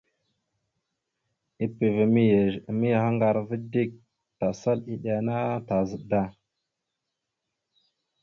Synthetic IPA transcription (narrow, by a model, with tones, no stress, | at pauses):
i˦pi˨vi˨mi˦je˨mi˦jha˦ŋɡa˨ɾvə˦di˦k̚ | ta˨sa˦li˦ɗa˨na˦ta˨zə˨da˦